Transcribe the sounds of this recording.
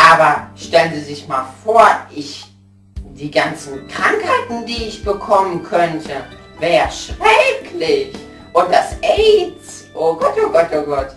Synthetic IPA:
ʔaːbɐʃtɛlənzizɪçmaːlfoːɐʔɪç | d̥iːɡant͡sn̩kʁ̥aŋkhaɪtn̩diːɪçb̥əkʰɔmənkʰœntʰə | vɛːʁəʃʁ̥ɛkʰlɪç | ʔʊntd̥asʔeɪt͡s | ʔoːɡɔtoɡɔtoɡɔt

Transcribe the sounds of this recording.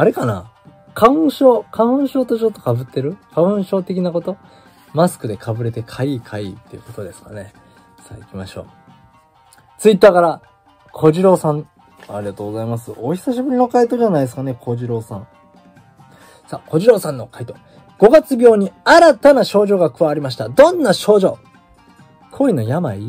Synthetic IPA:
aɾe̞kana̰ | kʰaɯ̃ɕo̞ːkʰaɯ̃ɕo̞ːt̪o̞t͡ɕo̞t̪ːo̞kabɯ̟t̪ːe̞ɾɯ̟kʰaɯ̃ɰ̃ɕo̞ːt̪e̞kʲinako̞t̪o̞ | masɨ̥kɯ̟d̪e̞kʰabɯ̟ɾe̞t̪e̞kʰaikʰaḭt̪ːe̞ijɯ̟̰ko̞t̪o̞d̪e̞sɨ̥kane̞ | sa̰ikʲima̰ɕo̞̰ː | t͡sɨit̪ːaːkaɾa | kʰo̞ʑiɾo̞ːsãŋ | aɾʲiat̪oːɡozaimasɨo̞çi̥saɕibɯ̟ɾʲino̞kait̪o̞ʑanaid̪esɨ̥kanekʰo̞ʑiɾo̞ːsãŋ | sako̞ʑiɾo̞ːsãnːo̞kait̪o̞ | ɡ̥o̞ɡat͡sɨbʲjo̞ːɲ̟iaɾat̪anaɕo̞ːʑo̞ːɡakɯ̟βaβɾʲimaɕi̥t̪ad̪õ̞nːaɕo̞ːʑo̞̰ː | kʰo̞ino̞jamai

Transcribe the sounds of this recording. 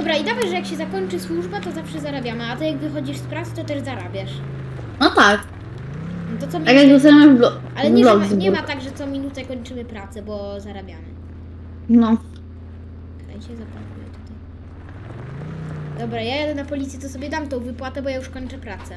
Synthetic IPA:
d̪ɔbɾaid̪avajʐɛjakɕɛzakɔɲt͡ʂɘswuʐbat̪ɔzafʂɛzaɾabʲjamɘat̪ɪjaɡvɘxɔd͡ʑiʂspɾat̪sɛ̥t̪ɔt̪ɛʐzaɾabʲjaʂ | nɔt̪ak | nt̪ɔt̪sɔmʲakjaɛzaamablɔalɛɲbɲɛlɔɡzbɲɛmat̪aɡʐɛt̪sɔmʲinut̪sɛkɔɲt͡ʂɘmɘpɾat̪sɛbɔzaɾabʲjamɘ̰ | nɔ | t̪t̪a̰jɕɛzapwakujɛ̰t̪u̥t̪aj | d̪ɔbɾajajad̪ɛnapɔlʲit̪sʲjɛt̪ɔsɔbʲjɛd̪amt̪ɔ̃w̃vɘpwat̪ɛbɔjajuʂkɔɲt͡ʂɛpɾat̪sɛ

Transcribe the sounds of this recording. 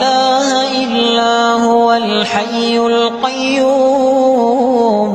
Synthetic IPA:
laːhʔɪlːaːhʊwalħajːʊlqɑjːuː | m

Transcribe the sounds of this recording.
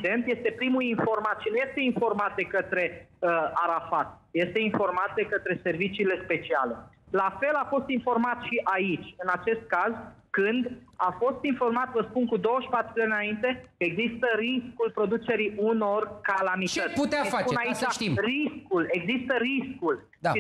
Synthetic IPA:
d̪e̞nt̪je̞st̪e̞pɾimulinfo̞rmat̪ʃinuje̞st̪e̞info̞rmat̪̚d̪e̞kət̪ɾe̞əaɾafat̪̚je̞st̪e̞info̞rmat̪̚d̪e̞kət̪ɾe̞se̞rvit͡ʃiːle̞spe̞t͡ʃia̰le̞ | lafe̞lafo̞st̪info̞rmat̪ʃiʔait͡ʃʲɨnat͡ʃe̞st̪̚kazkɨnd̪afo̞st̪info̞rmat̪vəspunkud̪o̞wəʃi̥pat̪ɾud̪aninaint̪e̞kəe̞ɡzist̪əɾiskulpɾo̞d̪ut͡ʃe̞ɾiuno̞rkalamit̪əet̪sput̪eafat͡ʃpunait͡ʃaʃimriskule̞ɡzist̪əɾiskul | d̪aʃi

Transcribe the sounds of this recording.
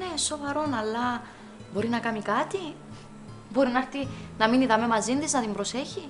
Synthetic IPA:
neso̞vɐɾo̞nɐlːɐ | bo̞ɾinɐkɐmikɐt̪i | bo̞ɾinɐɾt̪inɐminiðɐme̞mɐzind̪iznɐðimbɾo̞se̞çi

